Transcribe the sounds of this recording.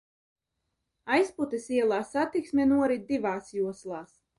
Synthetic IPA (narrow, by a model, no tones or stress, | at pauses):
ajsput̪esiɛlˠaːsat̪iksmʲɛnuɔɾit̪̚d̪ivaːsjuɔslˠaːs